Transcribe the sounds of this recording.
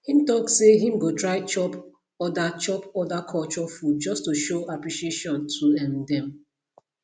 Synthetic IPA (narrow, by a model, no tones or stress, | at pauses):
hĩmtɔksseɦĩmɡotɹaɪt͡ʃɔp | ɔdat͡ʃɔpɔdakʰɔlt͡ʃɔfud̚d͡ʒɔstuʃoapɹiʃieʃɔ̃ntʰuɛ̃ndɛ̃m